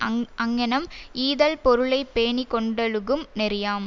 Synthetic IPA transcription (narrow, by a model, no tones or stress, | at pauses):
ɐŋɡɐnɐmiːðɐlpɔɾɯɭɐɪpːeːɳikːɔɳɖɐlɯɣɯmnɛɾɪjaːm